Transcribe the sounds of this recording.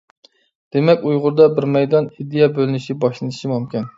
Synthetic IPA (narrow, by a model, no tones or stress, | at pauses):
d̪̥emɛkʲujʁʊɾd̪ɑbɪɾmɛjd̪ɑnid̪ejɑbølɪnɪʃibɑʃlˠɨnɨʃimumkʲʰin